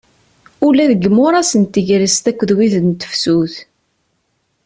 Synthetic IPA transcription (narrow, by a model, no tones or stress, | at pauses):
ʊlæðəɡːmːʊɾˤɑsənt̪ːəʝɾəst̪ækʷːəðwiðənt̪ə̥fsuθ